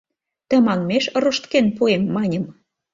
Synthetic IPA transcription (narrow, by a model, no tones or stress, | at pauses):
t̪ə̆mɑŋmeʃəɾoʃt̪kenpuemːɑnʲə̆m